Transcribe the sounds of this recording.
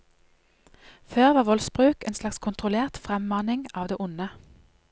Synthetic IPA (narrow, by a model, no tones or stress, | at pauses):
føːʁʋɑːʋɔlsbʁʉːkeːnslɑkskʰʊnt̪ʁʊleːʁt̪fʁɛmmɑːnɪŋɑːʋd̪eːʔʊnə